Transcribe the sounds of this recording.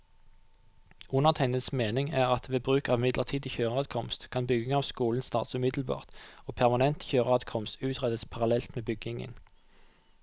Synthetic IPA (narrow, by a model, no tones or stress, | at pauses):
ʊnəʁt̪ʰæɪnəsmeːnɪŋæːʁɑt̪ʋeːbʁʉːkɑːʋɪmɪd̪lʔəʁt̪ʰiːd̪əçøːʁɑd̪kʰɔmst̪kʰɑnbʏɡɪŋɑːʋskuːln̩st̪ɑːʁt̪sʉːmɪd̪l̩bɑ̰ːʁt̪oːpʰæʁmɑnɛnt̪çøːʁəɑd̪kʰɔmst̪ʉːt̪ʰʁɛd̪əspʰɑʁɑlɛlt̪meːbʏɡɪŋə̰n